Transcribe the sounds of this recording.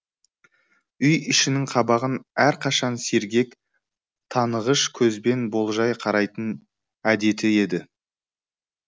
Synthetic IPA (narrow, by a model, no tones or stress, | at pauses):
ʏjɪʃɪnɪŋqʰɑbɑʁənæɾqʰɑʃɑnse̞ɾɡʲe̞k | t̪ʰɑnəʁəʃkʲʰɵzbe̞nbo̞lˠʒɑjqʰɑɾɑjt̪ən | æd̪e̞t̪ɪe̞d̪ɪ